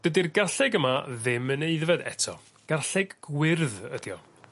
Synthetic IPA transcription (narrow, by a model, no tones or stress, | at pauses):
d̥ədirɡarɬɛɡəmaðɪmːəneɨðvɛdɛ̰tʰɔ | ɡ̥arɬɛɡɡwɪrðə̰d̥jɔ